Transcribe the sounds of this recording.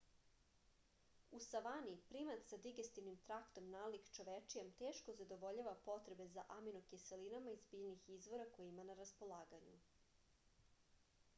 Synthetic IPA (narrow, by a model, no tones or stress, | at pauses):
usaʋanipɾimat̪sad̪iɡest̪iʋnimt̪ɾakt̪o̞mnaːlikt͡ʃo̞ʋet͡ʂijemt̪eːʃko̞zad̪o̞ʋo̞ʎaʋapo̞t̪ɾe̞be̞zaʔaminokeselinamaizbiːʎnixizʋo̞ɾako̞jeimanaɾaspo̞lˠaːɡaɲṵ